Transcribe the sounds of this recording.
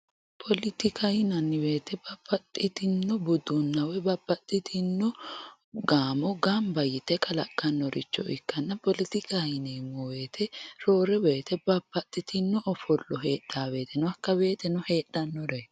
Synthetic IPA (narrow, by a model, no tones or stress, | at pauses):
pʰɔlɪt̪ɪkɐjɪnɐnːɪbe̞ːt̪ɛbɐpːɐt̪ʼːɪt̪ɪnːɔbʊd̪ʊnːɐwɛbɐbːɐt̪ʼːɪt̪ʰɪnːɔ | ɡaːmɔɡaːmbɐjɪt̪ːɛkʰɐlɐ̰kʼːɐnːɔɾʔɪ̰t͡ʃːɔ̰ʔɪ̰kːɐnːɐpɔlɪt̪ɪkʰajɪnemːɔwe̞ːt̪ʰɛɾo̞ːɾɛbeːt̪ɛbɐpːɐt̪ʼːɪt̪ʰɪnːɔʔɔfɔlːɔɦeːɗaːbe̞ːt̪ʰɛnɔɐkːɐbe̞ːt̪ɛnɔhe̞ːɗɐnːɔɾɛ